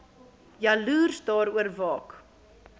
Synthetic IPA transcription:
jɐluːrsdɑːɾuərvɑːk

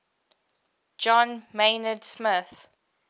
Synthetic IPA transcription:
d͡ʒɔ̃nmeɪnədsmɪθ

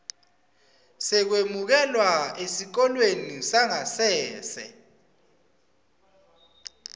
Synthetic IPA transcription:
sɛk̬wemuk̬ɛlwaesik̬ɔlwenisaŋasɛːsɛ̰

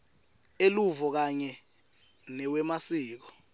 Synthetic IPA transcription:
eluvɔk̬aɲɛ | nɛwɛmasiːk̬ɔ̥

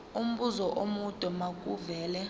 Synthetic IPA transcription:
um̩ɓuzɔʔomud̥ʼʱɔmakʼuvɛːlɛ

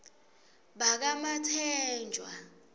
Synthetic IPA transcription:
ɓak̬amatʰɛːnd͡ʒʱwa̰

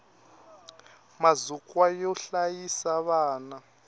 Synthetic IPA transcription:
mazukʼwajɔɬajisaβaːna

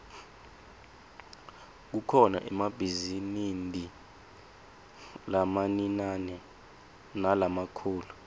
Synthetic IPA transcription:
k̬ukʰɔna̰ʔɛmabʱizinindʱi | lamaninanɛ | nalamakʰuːlu

